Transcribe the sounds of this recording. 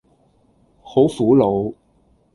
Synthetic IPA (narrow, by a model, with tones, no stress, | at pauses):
ho˨˥wfuː˨˥lo˨˧w